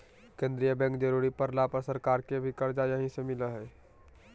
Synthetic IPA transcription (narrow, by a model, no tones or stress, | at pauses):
kẽːnd̪ɾijəbɛ̃ŋk̚d͡ʒəɾuɾipəɾlapəsəɾkaːɾkebʱikəɾd͡ʒajəɦĩsemɪləɦɛː